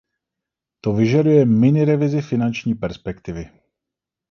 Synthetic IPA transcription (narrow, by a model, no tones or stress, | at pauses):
t̪o̞vɪʒadujɛmɪnɪɾɛvɪzɪfɪnant͡ʃɲiːpɛɾspɛkt̪ɪvɪ